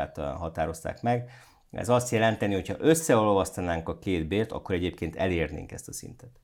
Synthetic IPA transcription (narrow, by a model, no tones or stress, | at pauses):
aːt̪ɦɒt̪aːɾo̞st̪a̰ːkmɛɡ | ɛ̰zɒst̪jɛlɛnt̪ɛniho̞chɒʔø̞sːɛolovɒst̪ɒnaːŋkɒkeːd̪beːrt̪ɒ̰kːo̞ɾɛɟeːp̚keːnt̪ɛleːrnḛːŋkɛ̰st̪ɒsḭnt̪ɛt̪